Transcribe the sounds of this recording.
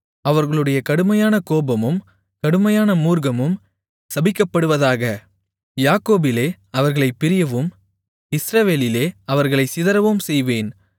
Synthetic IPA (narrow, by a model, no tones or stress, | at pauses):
ɐʋɐɾɣɐɭɯɽɐjɐkɐɽɯmɐjaːnɐkoːbɐmɯm | kɐɽɯmɐjaːnɐmuːɾɣɐmɯm | sɐbɪkːɐpːɐɽɯʋɐðaːɣɐ | jaːkːoːbɪleː | ɐʋɐɾɣɐɭɐɪpːɪɾɪjɐʋɯm | ɪsɾɐʋeːlɪleːɐʋɐɾɣɐɭɐɪsɪðɐɾɐʋɯmsɛjʋeːn